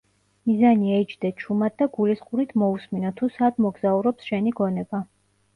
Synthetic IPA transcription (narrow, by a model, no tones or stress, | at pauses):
mizaniɛt͡ʃd̪ɛt͡ʃʰumat̪̚d̪aɡulisqʼuɾit̪ʰmɔusminɔt̪ʰusad̪mɔɡzauɾɔpsʃɛniɡɔnɛba